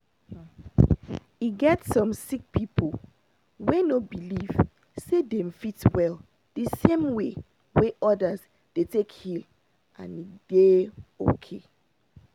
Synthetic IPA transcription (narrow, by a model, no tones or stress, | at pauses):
iɡɛtsɔ̃msik̚pʰipʰo | wenobiliv̥ | sedemfitwɛl | d̥əsẽmwe | weʔɔdəz | d̥etʰekhil | ʔã̰nid̥eo̰kʰe